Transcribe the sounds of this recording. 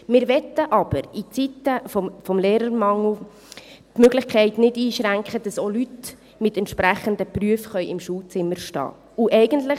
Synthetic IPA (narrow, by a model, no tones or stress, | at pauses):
mɪːɾʋɛt̪ːəʔɑb̥əɾit͡sitəfɔmfɔmleːɾəɾmɑŋl̩ | tmøɡ̥lɪχkʰɛɪtnɪdiːʃɾæŋkχəd̥ɑsolyt | mɪtɛntʃpɾæχəndəpryəfχœʏʔɪmʃuːlt͡sɪməɾʃtɑ̰ː | uʔɛɪɡ̥əntlə